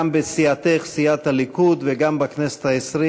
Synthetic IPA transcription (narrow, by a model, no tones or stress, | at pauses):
mbesiat̪ejχsiat̪halikud̪veɡambaknese̥t̪haesɾi